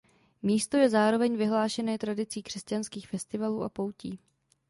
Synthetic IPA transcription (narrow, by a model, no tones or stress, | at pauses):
miːst̪o̞jɛzaːɾo̞vɛɲvɪɦlaːʃɛnɛːt̪ɾadɪt͡siːkr̥ɛscanskiːxfɛst̪ɪvaluːʔa̰po̞wciː